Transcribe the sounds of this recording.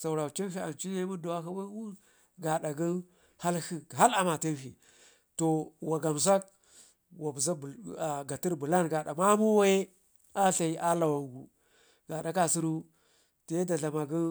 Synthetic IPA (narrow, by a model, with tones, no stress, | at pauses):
sa˨u˨ɾa˨t͡ʃi˦n˦fi˦a̰˨nt͡ʃi˦ne˦mu˦da˨wa˦ka˦ba˦wu˦ | ɡa˨ɗa˨ɡi˦ | ha˦lhi˨ɦa˦la˨ma˨ti˦nfḭ˨ | to˨wa˨ɡa˨ms̬a˦k̚ | wa˨bza˦bɡa˨ti˦ɾbu˨la˦nɡa˨ɗa˨ma˦mu˦wa˦je˦ | a˦ɬa˨i˦ʔa˦la˨wa˨ŋɡu˨ | ɡa˨ɗa˨ka˨si˦ɾu˦ | te˨˦da˨ɮa˨ma˨ɡi˦